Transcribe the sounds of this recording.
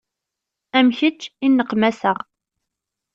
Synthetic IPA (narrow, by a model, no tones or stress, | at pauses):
æmçət͡ʃːinːəqmæsəʁ